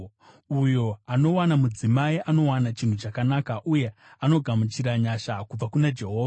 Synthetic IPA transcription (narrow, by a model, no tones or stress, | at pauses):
ujo̞ano̞wanamud͡zimaiʔano̞wanat͡ʃin̤ut͡ʃakanakaʔuje̞ | ano̞ɡʱamut͡ʃiɾaɲaʃakub͡vakunad͡ʒe̞ɦo̞ːʋa